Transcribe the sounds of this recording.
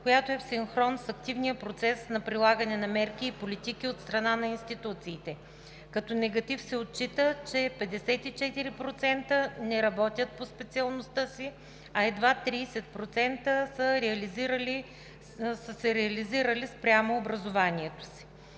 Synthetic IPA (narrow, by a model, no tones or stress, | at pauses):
kojat̪oɛfsiŋxɾɔnsɐk̚t̪ivnijəpɾot̪sɛsnɐpɾilˠaɡənɛnɐmɛɾkʲiːpolit̪ikiot̪st̪ɾɐnanɐinst̪it̪ut̪siːt̪ɛ | kɐt̪ɔnɛɡɐt̪ifsɛot̪̚t͡ʃit̪ət͡ʃɛpɛd̪ɛsɛt̪it͡ʃɛt̪iɾipɾot̪sɛnt̪ənɛɾɐbɔt̪ʲət̪̚pospɛt̪siɐlˠnost̪əsi | ɐɛd̪vat̪ɾiːsɛt̪̚pɾot̪sɛnt̪əsəɾɛɐliziɾəli | səsɛɾɛɐliziɾəlispɾʲamoːbɾɐzovaniɛt̪o̥si̥